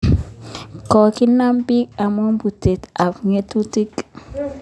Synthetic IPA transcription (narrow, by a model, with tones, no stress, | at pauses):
kɔ˨ki˦na˦mbi˦ka˨mɔ˦mbu˨te˨ta˨fŋe˨˦tu˦ti˦k